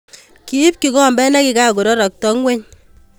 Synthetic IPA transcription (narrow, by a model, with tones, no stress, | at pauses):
ki˨i˦p̚ki˨kɔ˦˨mbɛ˦nɛ˦ki˨ka˦˨ko˨ɾɔ˦ɾɔ˨k̚tɔ˦ŋwe˦ɲ